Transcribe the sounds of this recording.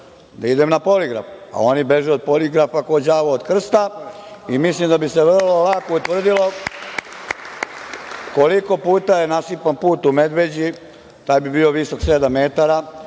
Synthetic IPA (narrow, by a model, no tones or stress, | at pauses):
d̪aid̪emnapo̞liɡɾa̰fa̰o̞nibe̞ʒuopoliɡɾafakod͡ʑaːʋaod̪kr̩st̪a | imislimd̪abiseʋr̩lo̞lako̞ut̪ʋr̩d̪ilo̞ | ko̞liko̞puːt̪aje̞nasipanpuːt̪ume̞d̪ʋe̞d͡ʑi | t̪aːjbibiːo̞ʋiso̞ksed̪amːe̞ːt̪aɾa